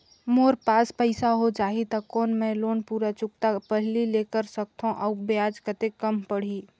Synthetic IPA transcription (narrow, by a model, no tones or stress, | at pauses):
moːɾpaːspəɪsaɦod͡ʒaːɦit̪əkoːnmɛ̃loːnpuːɾat͡ʃʊkt̪apəɦlilekəɾsək̚t̪ʰõʔɔːbjaːd͡ʒkət̪ekəmpəɽ̤i